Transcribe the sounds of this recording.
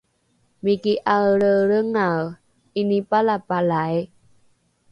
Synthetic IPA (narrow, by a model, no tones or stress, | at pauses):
mikiʔaɾəɾəŋa | inipalapalaj